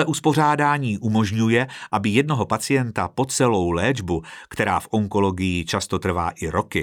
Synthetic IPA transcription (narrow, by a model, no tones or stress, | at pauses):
ɛʔuspo̞r̝aːdaːɲiːʔumo̞ʒɲujɛʔabɪjɛdno̞ɦopat͡sɪjɛnt̪apo̞t͡sɛlo̞wlɛːd͡ʒbukt̪ɛɾa̰ːfʔo̞ŋko̞lo̞ɡɪjɪt͡ʃast̪o̞t̪r̩va̰ːʔɪɾo̞kɪ